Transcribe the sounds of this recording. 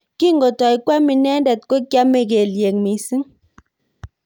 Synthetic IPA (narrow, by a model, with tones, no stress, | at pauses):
ki˦ŋɡɔ˨ta˨i˨kwa˦mi˨nɛ˦n˦dɛ˨t̚ko˦kja˦me˦˨ke˨lje˨ŋmi˨si˦ŋ